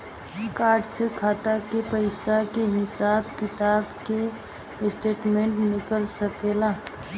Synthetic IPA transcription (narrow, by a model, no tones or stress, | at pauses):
kaːɾɖsekʰaːt̪akepəɪsakeɦɪsaːbkɪt̪aːbke | ɪsʈeːʈmẽɳʈnɪkəlsəkelaː